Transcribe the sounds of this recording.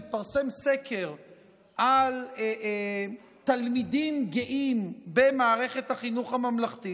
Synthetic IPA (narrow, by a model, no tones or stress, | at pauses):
paʁse̞mse̞kʰeʁ | ʔale | t̪almid̪imɡeʔimbe̞maːʁe̞χe̞thaχinuχhamamlaχt̪i